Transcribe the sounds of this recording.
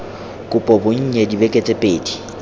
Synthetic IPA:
kʼʊpʼɔbʊɲ̩ɲɛdibɛkʼet͡sʼɛpʼeːdi̥

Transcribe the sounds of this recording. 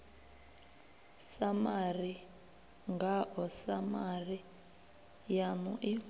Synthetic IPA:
samari | ŋɡaɦɔsamari | janṵʔi

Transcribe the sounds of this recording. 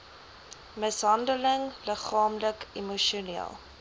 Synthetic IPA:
məsɦɐndələŋləχɑːmləkimuʃunḭəlˠ

